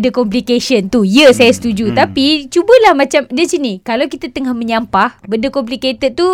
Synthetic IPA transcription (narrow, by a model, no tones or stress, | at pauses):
dəkɔmplikesiənt̪ujəsajasə̥t̪ud͡ʒut̪apit͡ʃubəlahmãt͡ʃamdəsinikalawkit̪at̪əŋahmə̃ɲampahbəndəkɔmpliket̪ət̪u